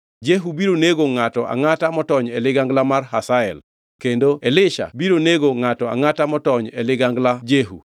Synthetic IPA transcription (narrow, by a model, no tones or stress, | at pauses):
d͡ʒeɦubiɾoneɡoŋatɔʔa̰ŋatamɔtɔɲɛlɪɡaŋɡlamarɦasaɛl | kendoelɪʃa̰biɾoneɡoŋatɔa̰ŋatamɔtɔɲɛlɪɡaŋɡlad͡ʒeɦṵ